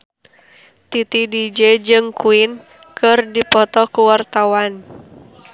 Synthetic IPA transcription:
t̪it̪idid͡ʒɛd͡ʒɨŋkuɪn | kɨrdipɔt̪ɔkuwart̪awan

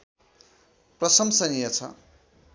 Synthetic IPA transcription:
prʌsʌmsʌnijʌt͡sʰʌ̰

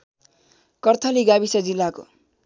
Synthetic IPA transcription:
kʌrt̪ʰʌliɡabisʌd͡zilːako̰

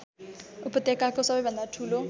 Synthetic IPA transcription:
upʌt̪ekakosʌbʌjbʱʌnd̪aʈʰulo

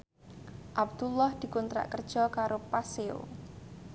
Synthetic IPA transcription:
ʔab̚d̪̥ulɔhd̪̥i̤kɔnt̪ɾa̰ʔkərd̥ʒ̥ɔ̤kaɾopaseo̰

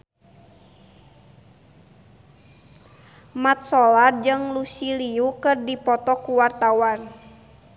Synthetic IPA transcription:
mat̪̚sɔlard͡ʒɨŋlusiliukɨrdipɔt̪ɔkuwart̪awan

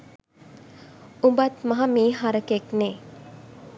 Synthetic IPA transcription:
umbat̪mɐɦɐmiːɦaɾəkekneː

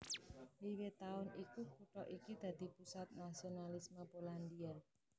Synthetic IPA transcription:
liwet̪aʊnikukuʈɔʔikid̪̥ä̤d̪̥i̤pusat̪̚nasionalismapoland̪ia

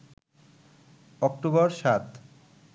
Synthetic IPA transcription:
ɔkʈobɔɾʃat̪

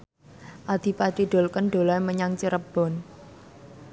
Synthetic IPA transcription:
ʔad̪̥ipad̪iɖ̪̥o̤lkənɖ̪olaməɲaŋt͡ʃəɾəb̥ɔ̤n

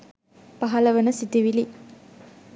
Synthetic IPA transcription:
pɐɦɐlɐʋənəsit̪iʋili

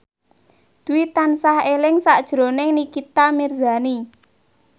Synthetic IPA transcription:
d̪̥uwit̪ansahelɪŋsaʔd̥ʒ̥ɾonɪŋnikit̪amirzani

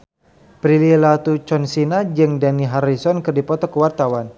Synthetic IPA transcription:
pɾililat̪ut͡ʃɔnsinad͡ʒɨŋdaniɦaɾisɔnkɨrdipɔt̪ɔkəwart̪awan

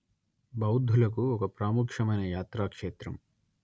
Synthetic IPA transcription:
bɐwd̪ʱːulɐkuɔkɐpɾaːmukʂɐmɐjnɐjaːt̪ɾaːkʂeːt̪ɾɐ̰m

